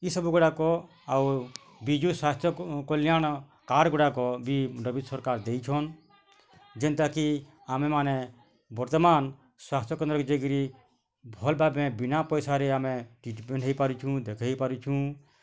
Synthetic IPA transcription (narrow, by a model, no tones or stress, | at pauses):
isɔbuɡuɽakɔ | au | bid͡ʒusast̪ʰjɔkɔlijan | kaːɾɡɔɽakɔbiɾɔbit̪sɔɾkaːɾd̪ejt͡ʃʰɔn | d͡ʒɛnt̪aki | amɛmaːnɛ | bɔɾt̪ɔmaːn | swaːst̪ʰjɔkɔnd̪ɾɔkɔd͡ʒeɡɾi | bʱɔlbabɛ̃binapɔjsaɾɛaːmɛʈiʈpɛɳʈɦeipaɾut͡ʃʰũd̪ekʰaipaɾut͡ʃʰũ